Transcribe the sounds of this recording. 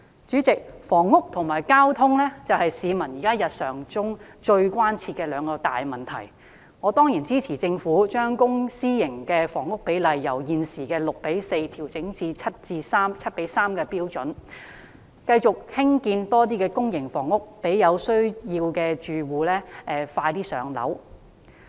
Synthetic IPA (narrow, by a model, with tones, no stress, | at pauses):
t͡ʃyː˨˥t͡sɪ˨k̚fɔː˨˩ŋːʊ˥k̚t̪ʰʊ˨˩ŋmaː˨˩jkaː˥wt̪ʰʊ˥ŋlɛː˥t͡sɐ˨whɐ˨jsiː˨˧mɐ˨˩njiː˨˩kaː˥jɐ˨t̚sœː˨˩ŋt͡sʊ˥ŋt͡ʃɵ˧ɥkʷaː˥nt͡sʰiː˧t̚kɛː˧lœː˨˧ŋkɔː˧t̪a̰ː˨jmɐ˨˩nt̪ʰɐ̰˨˩j | ŋɔː˨˧t̪ɔː˥ŋjiː˨˩nt͡siː˥t͡sʰiː˨˩t͡sɪ˧ŋfuː˨˥t͡ʃœː˥ŋkʊ˥ŋsiː˥jɪ˨˩ŋkɛː˧fɔː˨˩ŋʊ˥k̚pe˨˥jlɐ˨jːɐ˨˩wjiː˨nsiː˨˩kɛː˧lʊ˨k̚pe˨˥jse˧jt̪ʰiː˨˩wt͡sɪ˨˥ŋt͡siː˧t͡sʰɐ˥t̚t͡siː˧saː˥mt͡sʰɐ˥t̚pe˨˥jsaː˥mkɛː˧piː˥wt͡sɵ˨˥n | kɐ˧jt͡ʃʊ˨k̚hɪ˥ŋkiː˧nt̪ɔː˥t̪iː˥kɛː˧kʊ˥ŋjɪ˨˩ŋfɔː˨˩ŋʊ˥k̚pe˨˥jjɐ˨˧wsɵ˥ɥjiː˧wkɛː˧t͡ʃyː˨wuː˨˧lɛː˥ʔɛː˧faː˧jt̪iː˥sœ̰ː˨˧ŋlɐ̰˨˥w